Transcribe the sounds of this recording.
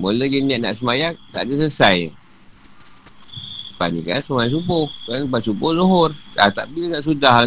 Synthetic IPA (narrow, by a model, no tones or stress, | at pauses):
moləɡiniaʔ̚na̰ʔsəmajaŋt̪a̰ʔdəs̬əsaj | pa̰nḭka̰səmajas̬ubohkanbasubohloɦorat̪aʔbinaʔsudah